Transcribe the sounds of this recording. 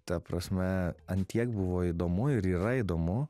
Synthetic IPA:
t̪ɐpɾɐsʲmʲɛɐnʲt̪ʲiɛkbʊʋoːɪd̪oːmʊɪɾiːɾɐid̪oːmʊ

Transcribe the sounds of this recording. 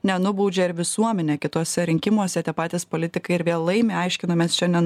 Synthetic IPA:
nʲɛnʊbuːd͡ʒʲɛɪɾʋʲɪsuɔmʲɛnʲɛkʲɪt̪oɔsʲɛɾʲɪŋʲkʲɪmuɔsʲɛt̪ʲiɛpɑːt̪ʲɪːspolʲɪt̪ʲɪkɐɪɪɾʋʲeɛlˠɐɪmʲɪɐɪʃʲkʲɪnoːmʲɛsʃʲɛnʲd̪ʲɛn

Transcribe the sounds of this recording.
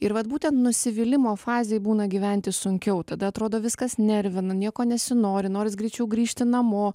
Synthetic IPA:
ɪɾʋɐt̪̚buːt̪ʲɛnt̪nʊsʲɪʋʲɪlʲɪmoːfɑːzʲeːjbuːnɐɡʲiːʋʲɛnʲt̪ʲɪsʊŋʲkʲɛʊt̪ɐd̪ɐɐt̪ɾoːd̪oːʋʲɪskɐsnʲɛɾʲʋʲɪnɐnʲiɛkoːnʲɛsʲɪnoːɾʲɪnoːɾʲɪs̬ɡɾʲɛɪt͡ʃʲɛʊɡɾʲiːʃʲt̪ʲɪnɐmoː

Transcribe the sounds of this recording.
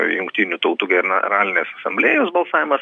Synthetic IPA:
jʊŋkt̪ʲinʲut̪ɐʊt̪uːɡʲɛnɑɾɑːlʲɪnʲeːsɐsɐmʲbʲlʲeːjoːsbɐlˠsɑːʋʲɪmɐs

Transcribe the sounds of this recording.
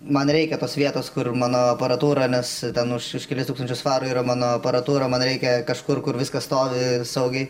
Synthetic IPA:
mɐnɾʲɛɪkʲɛt̪oːsʋʲiɛt̪oːskʊrmɑːnoːɐpɐɾɐt̪uːɾɐnʲɛst̪ʲɛnʊʃʊʃkʲɛlʲɪst̪ukst̪ɐnt͡ʃʲʊsfɑːɾʊːiːɾɐmɑːnoːɐpɐɾɐt̪uːɾɐmɐnɾʲɛɪkʲɛkɐʃkʊrkʊrʋʲɪskɐst̪oːʋʲɪsɐʊɡʲɛɪ

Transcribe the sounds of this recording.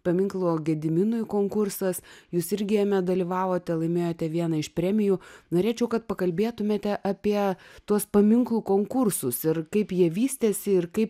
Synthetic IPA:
pɐmʲɪŋklˠoːɡʲɛd̪ʲɪmʲɪnʊjkoːŋkʊrsɐsjuːsɪɾʲɡʲɪjɛmʲɛd̪ɐlʲiʋɑːʋoːt̪ʲɛlˠɐɪmʲeːjoːt̪ʲɛʋʲiɛnɐɪʃpʲɾʲɛmʲɪjuːnoːɾʲeːt͡ʃʲɛʊkɐt̪̚pɐkɐlʲbʲeːt̪ʊmʲeːt̪ʲɛʔɑpʲiɛt̪uɔspɐmʲɪŋklˠuːkoːŋkʊɾsʊsɪrkɐɪpjiɛʋʲiːsʲt̪ʲeːsʲɪɪrkɐɪp

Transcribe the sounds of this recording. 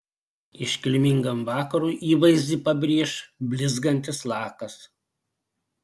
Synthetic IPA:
ɪʃʲkʲɪlʲmʲɪŋɡɐmʋɑːkɐɾuːʔiːʋɐɪzʲd̪ʲiˑpɐbʲɾʲiɛʃbʲlʲɪzɡɐnʲt̪ʲɪslˠɑːkɐs

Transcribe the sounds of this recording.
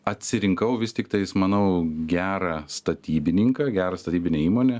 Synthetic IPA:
ɐt̪ʲsʲɪɾʲɪŋkɐʊʋʲɪst̪ʲɪkt̪ɐɪsmɐnɐʊɡʲæːɾɑst̪ɐt̪ʲiːbʲɪnʲɪŋkɐɡʲæːɾɐst̪ɐt̪ʲiːbʲɪnʲeiːmoːnʲeː

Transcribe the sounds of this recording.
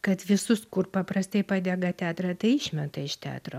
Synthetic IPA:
kɐt̪ʋʲɪsʊskʊrpɐpɾɐst̪ɐɪpɑːd̪ʲɛɡɐt̪ʲæːt̪ɾɑːt̪ɐɪɪʃʲmʲɛt̪ɐɪʃt̪ʲæ̰ːt̪ɾoː

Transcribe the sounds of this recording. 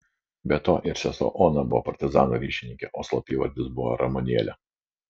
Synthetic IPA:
bʲɛt̪oːʔɪɾsʲɛso̰ːʔɔːnɐbʊʋɔ̰pɐɾʲt̪ʲɪzɑ̰ːnoɾʲiːʃʲɪnʲɪŋʲkʲɛʔoːslˠɐpʲiːʋɐ̰ɾʲd̪ʲɪsbʊʋo̰ɾɐmɔnʲiɛlʲɛ

